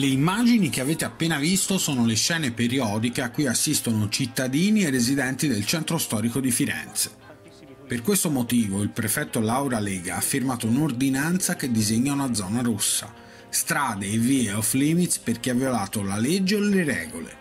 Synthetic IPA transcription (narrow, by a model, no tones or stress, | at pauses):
leimːaːd͡ʒinik̟eaveːt̪eapːeːnavist̪osoːnoleʃɛːnepeɾiɔːd̪ikeakːujasːist̪onot͡ʃit̪ːad̪iːnierːezid̪ɛnt̪id̪elt͡ʃɛnt̪ɾost̪ɔːɾikod̪ifiɾɛ̰nt̪se̥ | perkwest̪omot̪iːvoilpɾefɛt̪ːolawɾalɛːɡaafːirmaːt̪ounord̪inant̪saked̪ːizeɲːaunad̪zɔːnaɾusːa̰ | st̪ɾaːd̪eːviːeɔflimit̪sperkeavjolaːt̪olaled͡ʒːeoleɾɛ̰ːɡolḛ